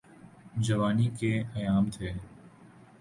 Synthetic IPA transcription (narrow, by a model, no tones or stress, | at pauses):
d͡ʒɐʋaːnikeɐjaːmt̪ʰeː